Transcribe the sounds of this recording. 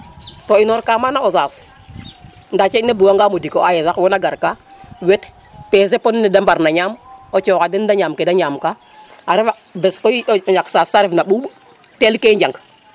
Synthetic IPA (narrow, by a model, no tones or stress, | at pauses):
toinoɾkamanaosas | ndat͡ʃenebuwaŋɡamodikoajesakwonaɡaɾkawet | peːs̬eponnidambaɾnaɲamot͡ʃɔkadindaɲamkedaɲamka | aɾifa | beskoɔɲaksaːsaɾifnaɓuɓtelkeɲd͡ʒaŋk